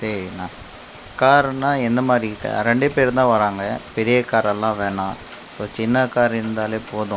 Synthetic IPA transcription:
sɐɾinãː | kaːɾnãːɛnd̪ɐmaːd̪ɾiɪʈːɐ̰ɾɛɳɖɯpeːɾt̪ãːʋɐɾaːŋɡɐpɛɾɪjɐkaːɾɛlːãːʋeːɳãː | soːt͡ʃɪnːɐkaːɾɪɾɯnd̪aːleːpoːðʊ̃

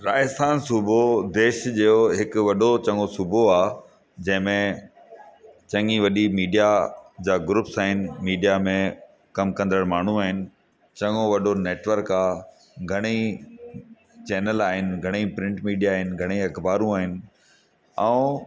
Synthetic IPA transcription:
ɾaːɪst̪aːnsubʱod̪eːʃd͡ʑeːoɦɪkʊʋɐɗot͡ɕɐ̃ŋosubʱoaː | d͡ʑɐ̃ɦɪ̃mẽ | t͡ɕɐ̃ŋɡiʋɐɗimiːɖijad͡ʑaːɡɾuːpsaːɦɪnɪ̆miːɖijamẽ | kɐmkɐ̃nd̪əɽmaːɳ̤ũaːɦɪnɪ̆ | t͡ɕɐ̃ŋoʋɐɗoneːʈʋəɾkaː | ɡʱɐɽ̃i | t͡ɕɛːnəlaːɦɪnɪ̆ɡʱɐɽ̃ipɾɪ̃ɳʈmiːɖijaːɦɪnɪ̆ɡʱɐɽ̃iɐkbaːɾũaːɦɪnɪ̆ | ɛ̃ː

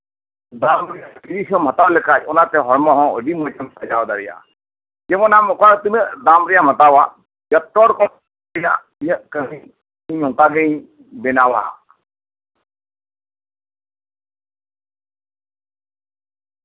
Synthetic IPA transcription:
d̪amɾɛjakiɾisɔm̤at̪awlɛkacɔnat̪ɛɦɔɾmɔɦɔ̃əɖimɔd͡ʒamsad͡ʒawd̪aɾija̰ | d͡ʒɛmɔnamɔkat̪inəd̪amɾɛjam̤at̪awa | jɔt̪ːɔɽkɔ | ija̰ | ijəʔkəmi | iɲɔ̃t̪aɡɛj | bɛnawaa̰

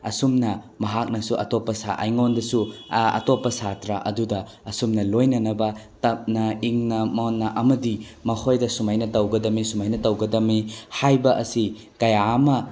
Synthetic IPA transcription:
ɐ̰sumnɐ | mɐɦak̚nɐsuʔɐ̰topːɐsa̰ʔɐ̰jŋondɐsuɐ̰topːɐsatɾɐʔɐ̰dudɐ | ɐsumnɐlojnɐnɐbɐ | tɐp̚nɐiŋnɐmonːɐʔɐmɐdimɐhʰojdɐsumajnɐtɐwɡɐdɐmisumajnɐtɐwɡɐdɐmihajbɐʔɐsi | kɐjamɐ

